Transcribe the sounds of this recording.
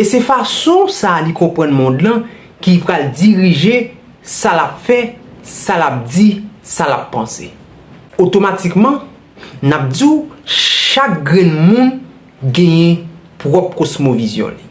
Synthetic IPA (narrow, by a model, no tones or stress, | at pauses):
esɛfasɔ̃salikɔ̃pɣãnmɔ̃d̪lã | kipʁald͡ziʁiʒe | salapfɛ | salap̚d͡zisalapːãsḛ | ot̪omatikmɑ̃ | nap̚d͡zi | ʃak̚ɡʁɛ̃nmũn | ɡɛ̃jɛ̃ | pʁɔp̚kosmovizjɔ̰̃li